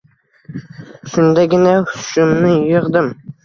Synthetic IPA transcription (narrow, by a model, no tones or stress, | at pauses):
ʃʊnd̪aɡʲɪnahʊʃʊmnɪjoʁd̪ɪm